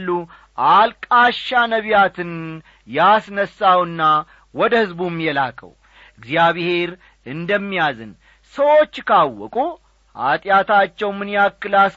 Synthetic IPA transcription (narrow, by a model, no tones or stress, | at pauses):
lːu | ʔalkʼaʃːanəβjat̪ʰɨn | jasnəsːawɨnːa | wɔd̪əhɨzbumːjɛlakʰə̰w | ɨɡzijaβhe̞ɾ | ɨnd̪əmːijazɨ̰n | səwo̞t͡ʃːkʰawːɔ̰kʼu | a̰t̪ʼjat̪ʰat͡ʃːɛwmɨnjakːɨlas